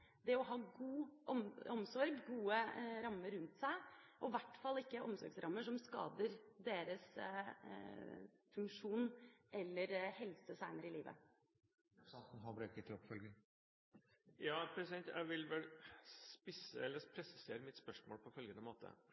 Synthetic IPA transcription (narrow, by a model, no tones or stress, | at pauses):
d̪ɛɔɦɑːɡuːʔɔmɔmsɔɾɡɡuːəɾɑmːəɾʉnt̪sæɪʔɔʋæʈːfɑlːɪkːəʔɔmsɔ̰ɾɡsɾʔɑmːəʂɔmskɑ̰ːd̪əɾd̪eːɾəs | fʉŋkʂuːnʔɛlːəɾhɛlsəsæɪnəɾɪliːʋə̰ | t̪nɦɑbɾɛːkət̪ʰɪɔpːfœlɡə | jɑːpʰɾɛsɪd̪ɛnt̪jæ̰ɪʋɪlʋɛlspɪsə̰ɛlːəɾpʰɾɛsɪ̥seːɾəmɪt̪spœʂmoːlpʰɔfœlɡənəmoːt̪ʰə̰